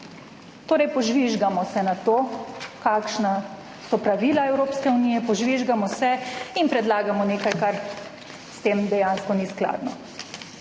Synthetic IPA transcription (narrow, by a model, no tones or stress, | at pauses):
t̪oːɾɛjpɔʒʋiʒɡamɔsɛnat̪oːkaːkʃna | sɔpɾaʋiːlaɛwɾoːpskɛunijɛpɔʒʋiʒɡamɔsɛinpɾɛd̪laːɡamɔneːkajkaɾ | st̪eːmd̪ɛjanskɔniskla̰ːd̪nɔ